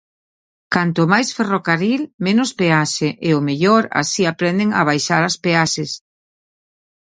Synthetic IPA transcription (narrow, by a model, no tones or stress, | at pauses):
kant̪ʊmajsferokaɾilmenʊspeaʃeʔɪʊmeʎoɾa̰siapɾɛnd̪eŋa̰β̞ajʃaɾaspeaʃɪs